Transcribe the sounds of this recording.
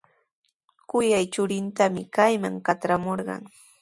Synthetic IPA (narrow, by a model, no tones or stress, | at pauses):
kʊjajt͡ʃʊɾɪnt̪amɪkajma̰ŋkat̪ɾamoɾɢɑ̰ŋ